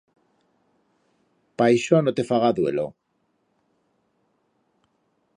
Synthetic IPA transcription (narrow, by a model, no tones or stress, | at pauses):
pajʃonot̪e̞faɣaðwe̞̰lo̰